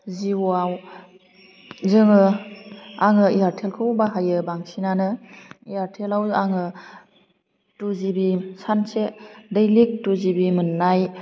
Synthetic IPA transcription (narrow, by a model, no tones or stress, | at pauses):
ziwuaw | zɯŋɯ | aŋɯiaɾtʰelkʰɯwbaɦajɯbaŋsinanɯijaɾtʰelawaŋɯ | tuzibisansedejlik̚tuzibimɯnːaj